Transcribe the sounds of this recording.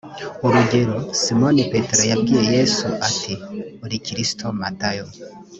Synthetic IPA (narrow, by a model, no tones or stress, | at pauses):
oɾiɡeɾosimonipetɾajaɡiejesuʔatʰioɾikiɾistʰomatajo